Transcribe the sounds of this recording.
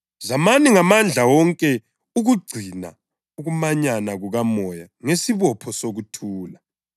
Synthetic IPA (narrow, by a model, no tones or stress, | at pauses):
zamaniŋamand͡ɮʱawɔŋkʼɛ | uɣuɡ͡ǀʱina̰ | uɣumaɲanaɣuɣamɔjaŋesiβɔpʰɔsoɣutʰuːla